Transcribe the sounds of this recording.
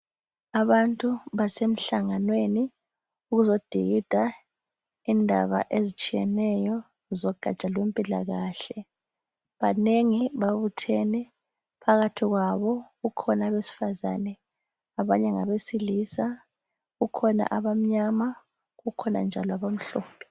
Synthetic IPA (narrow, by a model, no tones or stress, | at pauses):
aβantʼuβasem̩ɬaŋanweni | uɣuzod̥ʱiɣid̥ʱa | indʱa̰βa̰ʔezit͡ʃʼijɛnɛjɔ | zɔɡ̥ʱa̰t͡ʃʼalwempʼilaɣaːɬɛ | βaneŋiβaβutʰenɛ | pʰaɣatʰiɣwaβɔɣukʰɔnaβesi̥faza̰nɛ | aβaɲɛŋaβesiliːsa | ɣukʰɔna̰ʔaβam̩ɲama | ɣukʰɔna̰nd͡ʒʱalɔaβam̩ɬɔ̰ːpʰɛ̥